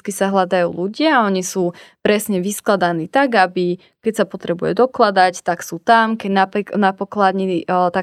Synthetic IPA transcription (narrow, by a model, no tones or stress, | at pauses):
t̪kisaɦlad̪ajṵːluɟɪaɔɲisuːpɾɛsɲɛʋisklad̪aniːt̪aɡabi | kɛcsapɔt̪ɾɛbujɛ̰d̪ɔklad̪act̪aksuːt̪amkɛnapknapɔklad̪ɲit̪a